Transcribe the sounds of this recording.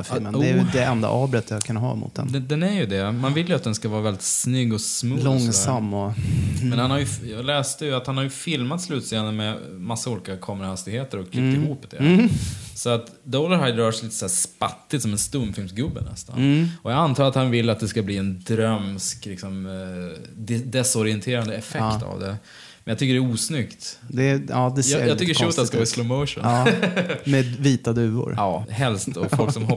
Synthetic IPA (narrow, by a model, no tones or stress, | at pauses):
fmənujd̪ɛɛnd̪a̰ʔɑːbɾɛt̪ːjaakʰɵnːaɦɑ̰ːmʊ̰t̪̚d̪ɛ̰nɛd̪ɛnæɾjɵd̪ɛmanvɪljɵat̪̚d̪ɛnskavɑːɾavɛld̪ɪt̪snʏɡːɔsmuːlɔŋsamːɔmɛnhanhaɾjɵjɑɡlɛːst̪əjɵat̪hanhaɾjɵfɪlmat̪slʉ̟ːt̪seːnənmɛmasːauːlɪːkakʰɑːməɾahast̪ɪɡheːt̪əɾɔkʰliːkt̪ɪhuːpːd̪ɛ̰ | sɔat̪ | d̪ɔləɾhajd̪ɾœːʂɛjliːt̪əsæːspa̰t̪ːɪt̪sɔmɛnst̪ɵmːfɪlmsɡɵbːə̰nɛ̰st̪a̰nɔjɑant̪ʰɑːɾat̪hanvɪlːat̪̚d̪ɛskabliːɛnd̪ɾœmsklɪksɔm | d̪ɛsɔɾɪɛnt̪ʰeːɾand̪əɛfɛkːt̪a̰vd̪ɛ̰ | mɛnjat̪ʏkːəɖɛuːsnʏkt̪d̪ɛɑd̪ɛjɑjɑt̪ʏkkːəʂʊt̪d̪ɛskavɑːslomoʊʂʊ̰n | mɛviːt̪ad̪ʉ̟ːʊ̰ɾʔɑːhɛlst̪ɔfɔlksɔmɦɔ